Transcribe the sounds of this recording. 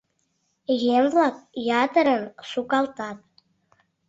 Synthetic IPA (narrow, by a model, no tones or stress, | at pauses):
ɣemβlɑk̚jɑt̪əɾənʃukɑlˠt̪ɑt̪̚